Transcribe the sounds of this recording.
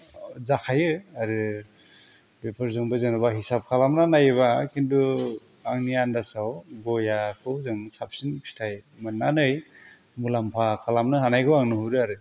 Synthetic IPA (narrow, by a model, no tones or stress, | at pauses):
zakʰajɯaɾɯ | bepʰɯɾzɯŋbɯzɯnɯβaɦisap̚kʰalamnanajɯβakʰintu | aŋnijandasawɡɔjakʰɯwzɯŋsap̚sinkʰi̥stʰajmɯnːanɯj | mulampʰakʰalamnɯɦanajkʰɯwaŋnɯhuɾɯaɾɯ